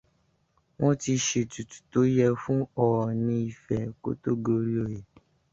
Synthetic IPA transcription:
w̃ɔ̃˦ti˧ʃe˧tu˨tu̥˨to˨˦jɛ˧fũ˦ɔ˨ɔ˨nĩ˧i˨fɛ˨ko̰˦to˦ɡo˧ɾi˦o˦˨je˨

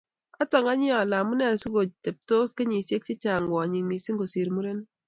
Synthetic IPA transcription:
a˦tɔ˨ŋa˦ɲɪ˦ɔ˨la˨mu˦nɛ˦˨su˦ɡo˨d͡ʒte˨p̚to˦ske˦ɲi˨sje˦k̚t͡ʃɪ˦t͡ʃa˨ŋɡɔ˨ɲi˨ŋmi˨si˦ŋɡo˨si˨ɾmu˦ɾe˦n˦

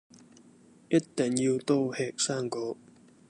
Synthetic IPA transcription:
jɐ˥tt̪ːɛ˨ŋjiː˧wt̪o˥whɛː˧k̚saː˥˩ŋkoː˨˧˥

